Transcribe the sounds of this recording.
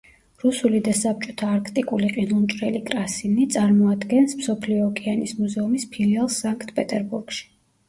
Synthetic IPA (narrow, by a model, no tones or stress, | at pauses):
ɾusulid̪asap̚t͡ʃʼɔ̥t̪ʰaːɾkʰt̪ʼikʼuliqʼinunt͡ʃʼɾɛlikʼɾasinit̪sʼaɾmɔad̪ɡɛnsmsɔpʰliɔːkʼʰianismuzɛumispʰilialˠsaŋkʰt̪ʰpʼɛt̪ʼɛɾbuɾɡ̥ʃi̥